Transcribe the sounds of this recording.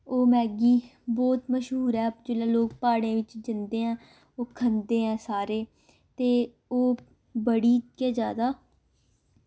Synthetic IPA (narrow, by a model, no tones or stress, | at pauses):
oːmɛːɡiːbɔːt̪məʃɦuːɾɛːd͡ʒeːlɛːloːk̚paːɽẽːʋɪt͡ʃd͡ʒɪnd̪eːɦɛ̃ː | oːkʰənd̪eːɛ̃ːsaːɾeː | t̪eː | oː | bəɽiːkeːd͡ʒaːd̪aː